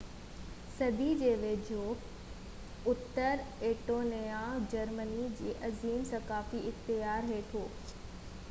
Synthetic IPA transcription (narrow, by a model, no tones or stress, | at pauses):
sɐbʱid͡ʑeːʋeːd͡ʑʱoː | ʊt̪ːəɾeːʈoːnead͡ʑɐɾmənid͡ʑiḛːʔɐziːmsɐkaːfiɪxt̪ɪjaːɾɦeːt̪ʰoː